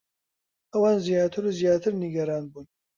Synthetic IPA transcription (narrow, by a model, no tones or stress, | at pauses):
ɐwɑːnzijɑːt̪ʰɨɾuzijaːt̪ʰɨɾniɡɐɾaːnbuːn